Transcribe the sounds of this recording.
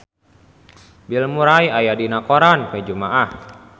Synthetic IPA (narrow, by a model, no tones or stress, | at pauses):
bilmuɾajajadinakoɾanped͡ʒumaʔah